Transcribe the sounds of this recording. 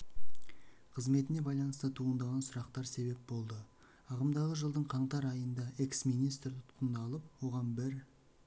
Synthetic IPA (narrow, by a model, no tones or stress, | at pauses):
qʰəzme̞t̪ɪne̞bɑjlˠɑnəst̪ət̪ʰuənd̪ɑʁɑnsʊɾɑqt̪ɑɾse̞be̞p̚bo̞lˠd̪ə | ɑʁəmd̪ɑʁəʒəlˠd̪əɴqʰɑɴt̪ɑɾɑjənd̪ɑe̞ksmijnijst̪ɾt̪ʰʊ̥t̪qənd̪ɑlˠəp̚wo̞ʁɑnbɪɾ